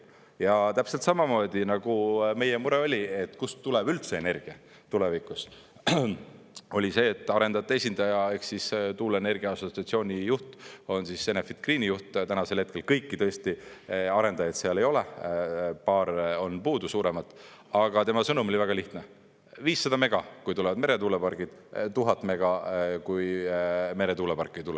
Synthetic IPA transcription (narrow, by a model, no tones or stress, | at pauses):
jɑt̪æpse̞lt̪sɑmɑmo̞ːd̪̥ʲinɑɡ̥ume̞jemuɾeo̞lʲie̞t̪ːˑkust̪uleb̥ylt̪se̞ene̞rɡ̥iɑ | t̪ulevikus | o̞lʲise̞ːt̪ːˑɑɾe̞nd̪ɑt̪ːˑesʲind̪ɑjɑe̞ksist̪uːlene̞rɡ̥iɑɑso̞t̪siɑt̪sio̞ːnʲijuht̪o̞nsise̞nefit̪̚kriːnijuht̪t̪ænɑse̞lhe̞t̪̚kelkɤjkːit̪ɤ̞esʲt̪iɑɾe̞nd̪̥ɑjɑt̪seɑle̞jo̞le | pɑːɾo̞npuːd̪̥usuːɾemɑt̪ːˑ | ɑɡ̥ɑt̪e̞mɑsɤnumo̞lʲivæɡ̥ɑliht̪ne | viːsːɑd̪̥ɑme̞ɡ̥ɑkujt̪ulɛvɑd̪me̞ɾe̞t̪uːlepɑrɡ̥id̪̥t̪uɦɑt̪ːˑme̞ɡ̥ɑkujme̞ɾe̞t̪uːlepɑrkːˑejt̪ulɛ